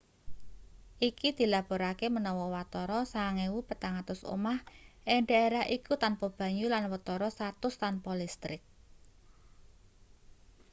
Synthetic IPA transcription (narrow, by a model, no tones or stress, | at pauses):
ʔikid̪̥i̤lab̥o̤ɾakemənɔwɔwat̪ɔɾɔsaŋewupət̪aŋat̪ʊso̰mahʔeɳɖaeɾaɦʔikut̪anpɔb̥ä̤ɲulanwət̪ɔɾɔst̪at̪ʊst̪anpɔlist̪ɾɪk̚